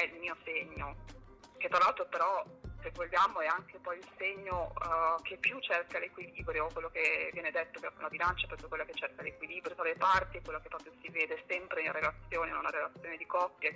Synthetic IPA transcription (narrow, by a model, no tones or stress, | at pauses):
ɛilmiːoseɲːo | k̟et̪ːɾalalt̪ɾopeɾɔsevoʎːaːmoɛaŋkepɔjilseɲːok̟ʰepːjut͡ʃːerkalekwiliːbɾjokːwelːokevːjɛːned̪et̪ːokealabilant͡ʃapɾɔpjokwelːaket͡ʃːerkalekwiliːbɾjot̪ɾalepart̪iekːwelːokepːɾɔːpjosiveːd̪esɛmpɾeinaɾelat̪sːjoːneunaɾelat̪sjoːned̪ikɔpːja